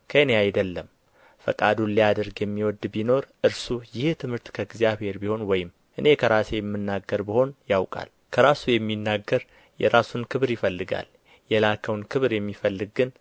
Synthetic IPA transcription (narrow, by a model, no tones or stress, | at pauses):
kʰəneajd̪əlːəm | fə̰kʼad̪unlijad̪əɾɡjɛmːiwɔd̪bino̞ɾʔɨɾsujɪht̪ʰɨmhɨɾt̪kʰəɡzijaβhe̞ɾbiho̞nwɔjɪm | ʔɨne̞kʰəɾasejɛmːɨnːaɡːəɾbiho̞njawkʼa̰l | kʰəɾasujɛmːinːaɡəɾ | jɛ̰ɾasunkʰɨβɾjɪfəlːɨɡa̰l | jɛlakʰəwnkʰɨβɾjɛmːifəlːɨɡːɨn